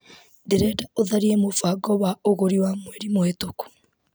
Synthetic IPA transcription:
diɾɛdaoðaɾiemofaɡɔβaoɣoɾiwamweɾimwetoku̥

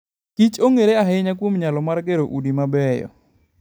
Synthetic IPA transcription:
kit͡ʃoŋeɾeaɦɛɲakwomɲalɔmarɡeɾoʔudimabɛjɔ̰

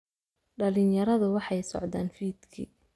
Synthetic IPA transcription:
ɖɐlɪnjɐɾɐðʊwɑħɑjsɔ̰ʕd̪aːnfiːd̪kʰḭː

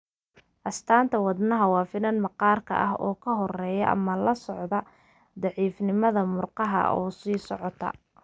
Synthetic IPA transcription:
ʔɐst̪ʰaːnt̪ʰɐwɑd̪nɐɦɐwɑːfɪnɐnmɐqɑːrkʰɐ̰ʔɐɦɔːkʰɐɦɔrɛːjɐ̰ʔɐ̰mɐlɐsɔʕd̪ɐ | d̪ɑʕiːfnɪmɐðɐmʊrqɑɦɐ̰ʔɔːsiːsɔʕɔt̪ʰɐ̰

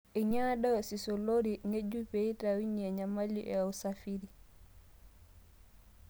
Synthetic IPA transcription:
ɛɲaːɗajɔsisɔloɾiŋed͡ʒːupɛitawiɲiɛɲamalːḭʔɛ̰awsafiɾi

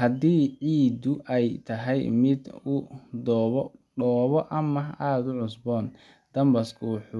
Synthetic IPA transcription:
hɐd̪iːʕiːd̪ʊʔɛjt̪ʰɐɦɛjmɪd̪ʊd̪ɔːβɖɔːβɔʔɐmɐaːd̪ʊʕʊsbɔːn | d̪̥ɐmbɐskʰʊħʊ

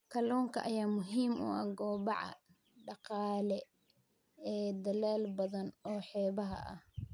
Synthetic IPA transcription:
kʰɐlɔːŋkʰɐʔɐjaːmʊɦiːmʊ̰ɐ̰ɡɔːbɑʕɑ̰ | ɖɑqɑːlɛ | ɛːd̪ɐlɛːlbɐðɐnɔːħɛːβɐɦɐ̰ɐ̰h

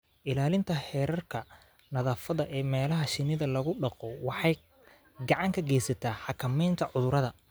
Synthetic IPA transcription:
ʔɪlaːlɪnt̪ʰɐhɛːɾɐrkʰɐ | nɐðɐːfɐðɐʔɛːmɛːlɐɦɐʃɪnɪðɐlɐɣʊɖɑqɔwɑħɑj | ɡɑʕɑŋkʰɐɡɛːsɐt̪ʰaːħɑkʰɐmɛjnt̪ʰɐʕʊðʊɾɐðɐ

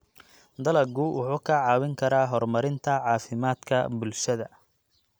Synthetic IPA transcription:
d̪ɐlɐɡʊwʔʊħuːkʰɐʕɑːwɪŋkʰɐɾaːɦɔrmɐɾɪnt̪ʰɐʕɑːfɪmaːd̪kʰɐ̰bʊlʃɐðɐ

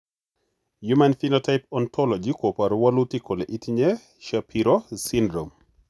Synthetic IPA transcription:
jumanfinɔtaɪpɔntʰɔlɔd͡ʒikopaɾwalutikoleʔitiɲe | ʃapʰiɾosindɾom

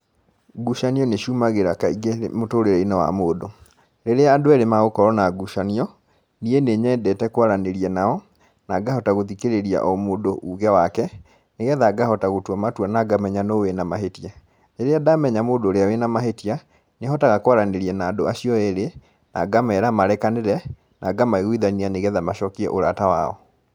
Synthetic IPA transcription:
ɡuʃaniɔneʃuːmaɣeɾakaiɡemotoːɾeɾɛinawa̰moːdo | ɾeɾeaːdoɛɾemaɣokɔɾɔnaɡuʃaniɔ | nieneɲɛːdɛtɛkwaɾaneɾiɛnaɔ | naɡahɔtaɣoðikeɾeɾia̰ʔɔmoːdoʔuɣɛwakɛ | neɣɛðaɡahɔtaɣotwamatwanaɡamɛɲanowenamaɦetia | leɾeadamɛɲamoːdoːɾeawenamaɦetia | neɔtaɣakowaɾaneɾiɛnaːdoaɕijɔeɾe | na̰ɡamaɛɾamaɾɛkaneɾɛ | nʔaɡamaeɣwiðanianeɣɛðamaʃɔkiɛ̰ʔoɾatawa̰ɔ̰

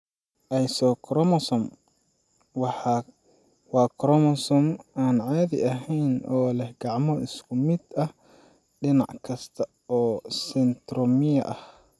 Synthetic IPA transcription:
ʔɛjsɔkʰɾɔmsɔm | wɑħɑ | wɑːkɾɔmɔsɔmaːnʕaːðɪ̰ʔɐɦɛjnʔɔːlɛhɡ̥ɑʕmɔɪskʰʊmɪd̪ɐh | ɖɪnɑʕkʰɐst̪ʰɐ | ɔːsɪnd̪ɾɔmɪjɐ̰ʔɐh

